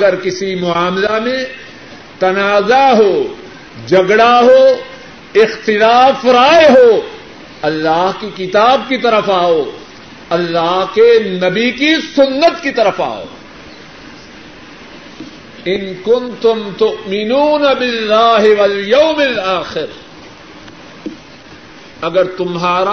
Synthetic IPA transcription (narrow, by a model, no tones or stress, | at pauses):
ɐɡɐɾkɪsimʊaːmlamẽ | t̪ɐnaːzaɦoː | d͡ʒɐɡɽaɦoː | ɪxt̪ɪlaːfɾaːeɦoː | ɐlːaːɦkikɪt̪aːb̚kit̪ɐɾəfaːoː | ɐlːaːɦkenɐbikisʊnːət̪kit̪ɐɾəfa̰ːo̰ː | ɪnkʊnt̪ʊmt̪ʊʔmɪnuːnɐbɪlːaːɦɪwɐljɐwmɪlaːxɪɾ | ɐɡɐɾt̪ʊmɦaːɾa